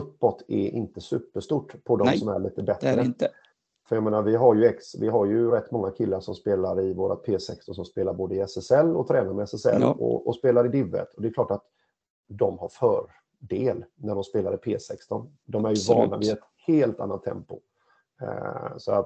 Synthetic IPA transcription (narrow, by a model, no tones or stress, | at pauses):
ɵpːɔt̪ʰːɛʔɪ̰nt̪əsʉ̟ːpːəʂt̪uːʈpʰɔd̪ɔmsɔmæɭiːt̪əbɛt̪ɾə | fœɾjaɡmeːnaɾvɪɦaɾjɵɛksvɪɦaɾjɵɾɛt̪ːmɔŋːakʰɪlːaʂɔmspeːlaɾɪvoːɾat̪̚pʰeːsɛkst̪ɔnsɔmspeːlaɾboːd̪əɪɛsɛsɛlːɔt̪ʰɾɛːnaɾmɛɛsɛsɛ̰lːɔ̰ʔɔspeːlaɾɪd̪ɪvə̰t̪ʰɔd̪ɛɛkʰlɑːʈat̪ | d̪ɔmhaɾfœːɾ | ɖeːlnæɖɔmspeːlaɾɪpʰeːsɛkst̪ɔn | d̪ɔmæɾjɵvɑːɳa̰vɪɛt̪ | heːlt̪a̰nːat̪ʰːɛ̰mpʊ̰ | sɔat̪